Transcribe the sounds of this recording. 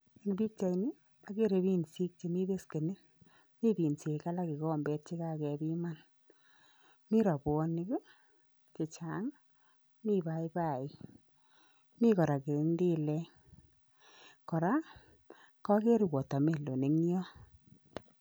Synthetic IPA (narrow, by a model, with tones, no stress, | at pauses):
n˨bi˦k̚t͡ʃa˨ini˦ | a˨ke˦ɾe˧bi˦nsi˦k̚t͡ʃe˨mi˦be˦ske˨ni˦n | mi˦bi˨nse˨ka˦la˦ki˨kɔ˦mbɛ˦t̚t͡ʃi˦kaː˦kɛ˧bi˦ma˦n | mi˦ɾa˨bɔ˧ni˦ɡo˦ | t͡ʃe˨t͡ʃa˨ŋ | mi˦ba˨i˦ba˦˨i˦ | mi˦kɔ˨ɾa˨ke˨ndi˦lɛ˦ | kɔ˨ɾa˦ | kɔ˦ke˦ɾi˨wɔ˨ta˨me˨lo˨ne˨ŋjɔ˦